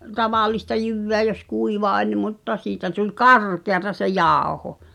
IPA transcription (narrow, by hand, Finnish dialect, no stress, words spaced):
tɑʋɑˑlistɑ jyʋːeæ jos kuiʋɑ olʲ mutːɑ siːtæ tulʲ kɑrkeɑtɑ se jɑˑoho